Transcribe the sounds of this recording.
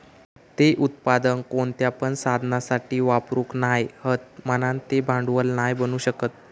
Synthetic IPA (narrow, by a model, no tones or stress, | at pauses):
t̪eʔut̪̚pad̪ənkoɳt̪japəɳsad̪ʱnasaʈiːʋapɾuknajhət̪mənant̪ebʱãɳɖʋəlnajbənuːɕəkət̪̚